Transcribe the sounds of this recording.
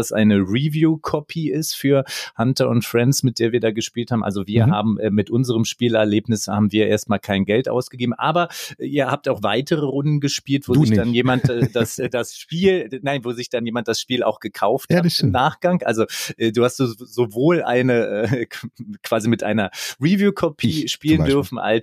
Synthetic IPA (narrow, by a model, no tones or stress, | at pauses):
asʔa̰ɪnəʁivjuːkʰɔpʰiɪstfyːɐhantɐʊntfʁ̥ɛnsmɪt̚d̥eːɐviːɐdaːɡəʃpiːlthaːbmʔalzoviːɐɦaːbm̩ʔɛːmɪtʔʊnzəʁəmʃpiːlɛɐleːpnɪshaːbm̩viːɐʔeːɐst̚maːlkʰaɪnɡɛltʔa̰ʊsɡ̥əɡeːbm̩ʔaːbɐʔɛʔiːɐhaːp̚taʊxv̥aɪtʰəʁəʁʊndn̩ɡəʃpiːltv̥oːzɪçd̥anjeːmantːd̥asdasʃpiːlnaɪnvoːzɪçd̥anjeːmant̚d̥asʃpiːla̰ʊxɡ̥əkʰaʊfthaɪmnaːχɡ̥aŋʔa̰lzoʔɛːduːhastuzovoːlʔa̰ɪnəʔɛː | kʰv̥aːzimɪtʔa̰ɪnɐʁivjuːkʰɔpʰiiːʃpiːləndʏɐfn̩ʔa̰l